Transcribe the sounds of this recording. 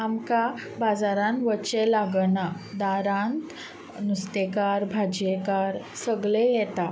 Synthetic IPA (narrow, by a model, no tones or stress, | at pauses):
amkabad͡zaɾãnʋət͡ɕɛlaɡɳad̪aɾãnt̪ | nust̪ekaɾbʱad͡ʑjɛkaɾsəɡɭejɛt̪a